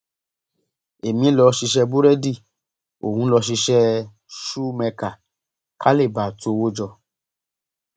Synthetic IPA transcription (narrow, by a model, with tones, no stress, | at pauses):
e˨mĩ˨˦lɔ˧ʃi˧ʃɛ˧bu˦ɾɛ˦di˦˨ | o̰˨hũ˧˦lɔ˧ʃ̬i˧ʃɛ˦ | ʃu˦mɛ˧ka˨ | kʰa˦le˦˨ba˨to˧˦˧wo˦d͡ʒɔ˧